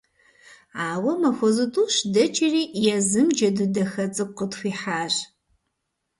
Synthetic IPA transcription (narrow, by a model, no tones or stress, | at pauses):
aːwɐmɐxʷɔzɨtʼuːɕdɐt͡ʃʰʼɪriːjɛzɨmd͡ʒɐdɨdɐxɐt͡sʼɨqətxʷiːħaːʒ